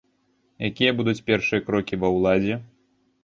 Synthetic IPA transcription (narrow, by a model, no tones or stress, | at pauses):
jakʲijɐbud̪ut͡sʲpʲɛrʂɨjɐkɾɔkʲivɐwlˠad͡zʲɛ